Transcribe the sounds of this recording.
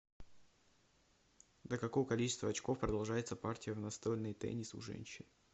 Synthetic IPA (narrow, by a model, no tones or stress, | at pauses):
d̪ʲəkɐkovəkɐlʲit͡ɕɪ̥st̪vəɐt͡ɕko̞fpɾəd̪ɐlˠʐajɪt̪səpartʲɪjəvnɐst̪olʲnɨjt̪ɛ̰nʲɪsʊ̰ʐɛ̰nʲɕɪn